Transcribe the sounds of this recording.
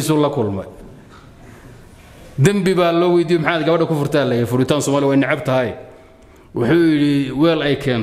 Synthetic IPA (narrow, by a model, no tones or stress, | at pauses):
sulɐkʰʊlmɐ̰j | d̪ɐmbɪβaːlɔːwɛjd̪iːjɔmħaːd̪ɡɐβɐɖɐkʰʊfʊrt̪ʰaːlɛjfʊɽɪt̪ʰaːnsɔːmaːlɪjɔwɛjnɐʕɑbt̪ʰɐɦɐj | wʊħʊːjɪɽɪwɛːlɛjkʰɛːn